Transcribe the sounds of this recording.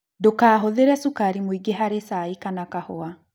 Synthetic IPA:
dokaːɦoðeɾɛsukaɾimoiɡeɦaɾesaikanakahoa

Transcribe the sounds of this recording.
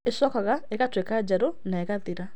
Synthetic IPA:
esɔkaɣaɛɣatwekad͡ʒɛɾonaɛɣatiɾa

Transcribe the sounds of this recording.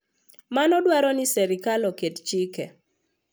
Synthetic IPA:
manɔdwaɾɔnɪsɛɾɪkalɔkett͡ʃikɛ̰

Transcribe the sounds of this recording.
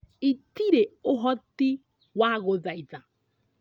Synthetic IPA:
itiɾeoɦɔti | waɣoðaiða

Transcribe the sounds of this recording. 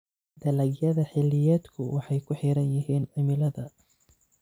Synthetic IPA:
d̪̥ɐlɐɡjɐðɐħɪlːɪjɛːd̪kʰʊwʔɑħɑjkʰʊħiːɾɐnjɪɦiːnʕɐmɪlɐðɐ

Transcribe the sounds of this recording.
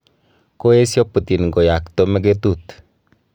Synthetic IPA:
koesjoput̪inɡojak̚t̪omeɡet̪ut̪

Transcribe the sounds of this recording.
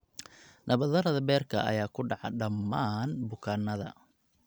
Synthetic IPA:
nʔɐβɐðɐɾɐðɐbɛːrkʰɐ̰ʔɐ̰jaːkʰʊɖɑʕɑ̰ɖɐmːaːnbʊkʰaːnɐðɐ̰

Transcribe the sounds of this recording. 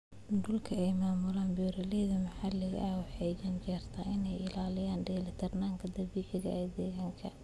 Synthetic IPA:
ɖʊlkʰɐɛjmaːmʊlaːnbuːɾɐlɛðɐmɐħalɪɣɐ̰ʔɐɔħɛjɐnt͡ʃɛːrt̪ʰɐʔɪnɛjɪlaːlɪjaːnɖɛːlɪt̪ʰɐrnaːŋkʰɐd̪ɐbiːʕɪɣɐ̰ɛd̪ɛːɣɐŋkʰɐ

